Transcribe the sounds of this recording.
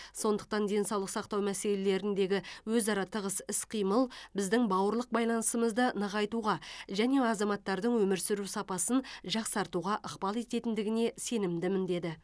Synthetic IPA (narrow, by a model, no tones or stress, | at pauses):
so̞nd̪əq̚t̪ɑnd̪e̞nsɑwlˠəqsɑqt̪ɑwmæse̞le̞le̞ɾɪnd̪e̞ɡʲɪwɵzɑɾɑt̪ʰəʁəsɪsqʰijməlˠbɪzd̪ɪŋbɑwəɾlˠəq̚bɑjlˠɑnəsəməzd̪ənɑʁɑjt̪uʁɑʒæne̞ɑzɑmɑt̪ːɑɾd̪əɴwɵmɪɾsɪɾusɑpɑsənʒɑqsɑɾt̪uʁɑʔəqpɑlˠe̞t̪e̞t̪ɪnd̪ɪɡʲɪne̞se̞nɪmd̪ɪmɪnd̪e̞d̪ɪ